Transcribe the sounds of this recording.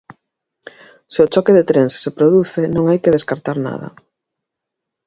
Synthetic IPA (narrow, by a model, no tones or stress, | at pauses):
sɪʊt͡ʃɔkeðet̪ɾeŋssepɾoðuθenõŋajkeðeskaɾt̪aɾna̰ðɐ̰